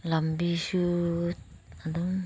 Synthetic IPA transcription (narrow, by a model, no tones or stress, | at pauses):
lambisut̪̚ad̪um